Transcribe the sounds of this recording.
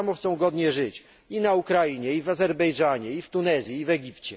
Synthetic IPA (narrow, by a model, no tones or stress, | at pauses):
amɔxt̪sɔ̃w̃ɡɔd̪ɲɛʐɘt͡ɕ | inaukɾaiɲɛivazɛɾbɛjʐaɲɛift̪unɛzʲjiːvɛɡʲipt͡ɕɛ